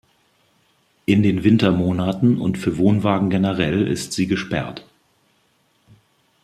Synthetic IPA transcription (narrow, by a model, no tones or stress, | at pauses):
ʔɪndeːnvɪntɐmoːnatn̩ʊ̰ntfyːɐvoːnvaːɡŋ̩ɡenəʁɛlɪ̰stz̥iːɡəʃpɛ̰ɐt